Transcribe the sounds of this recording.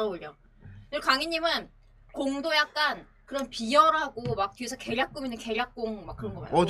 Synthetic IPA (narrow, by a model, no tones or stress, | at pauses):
ɾʌboʎʌ | kɯɭkaŋiɲːimɯn | koŋdojak̚k͈an | kɯɾʌnpijʌɾaɡomak̚tuesʰʌke̞ʎjak̚k͈uminːɯnke̞ʎjak̚k͈oŋmak͈ːɯɾʌnɡʌa̰ɲ̰o